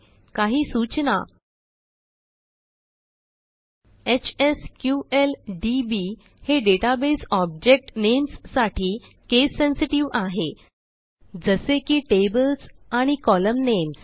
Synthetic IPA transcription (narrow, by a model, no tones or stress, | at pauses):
kaɦiːsut͡ɕna̰ | et͡ɕeskjuelɖibi | heɖeʈabesɔbd͡ʑek̚ʈnemsːaʈʰiː | kesːensiʈiʋaɦe | d͡zəsekiːʈebəlsaɽ̃ikɔləmnems